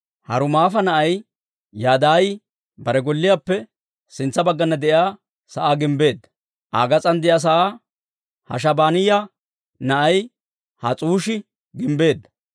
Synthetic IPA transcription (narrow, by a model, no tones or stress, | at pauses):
hɐɾʊmaːfɐnɐʔɐj | jaːd̪aːj | bɐɾɛɡɔlːɪjaːpːɛ | sɪnt͡sːɐbɐɡːɐnːɐd̪ɛʔjaː | sɐʔaːɡɪmbe̞ːd̪ːɐ | ʔa̰ːɡɐt͡sʼɐnd̪ɪjas̬ɐʔaː | hɐ̰ʃ̬ɐbaːnɪja | nɐʔɐj | hɐt͡sʼuːʃɪ | ɡɪmbe̞ːd̪ːɐ̥